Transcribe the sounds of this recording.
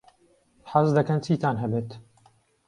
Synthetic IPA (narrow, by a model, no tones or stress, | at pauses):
ħɐzd̪ɐkɐnt͡ʃʰiːt̪aːnɦɛbeːt̪